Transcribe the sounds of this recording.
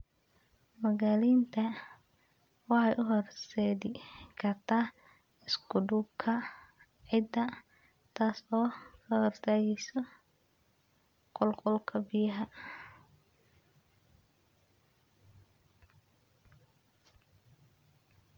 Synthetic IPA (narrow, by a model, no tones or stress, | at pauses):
mɐɣaːliːnt̪ʰɐ | wɑħɑjʔʊɦɔrsɛːd̪ɪkʰɐt̪ʰa | ɪskʊɖʊb̚kʰɐ | ʕɪd̪ɐ | t̪ʰaːsɔːkʰɐhɔrt̪ʰaːɣɛjsɔ | qɔlqɔlkʰɐbɪjɐɦɐ